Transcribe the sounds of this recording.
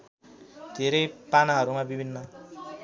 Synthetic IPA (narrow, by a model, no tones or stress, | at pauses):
d̪ʱeɾʌjpanaɦʌɾumabibʱinːʌ